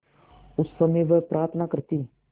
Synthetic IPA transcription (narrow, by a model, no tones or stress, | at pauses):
ʊsːəmeːʋəpɾʔaːɾt̪ʰnakəɾt̪iː